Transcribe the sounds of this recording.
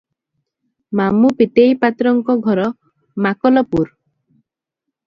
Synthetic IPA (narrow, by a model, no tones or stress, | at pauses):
mamupit̪ejpat̪ɾɔŋkɔɡʱɔɾɔ | makɔlɔpuɾ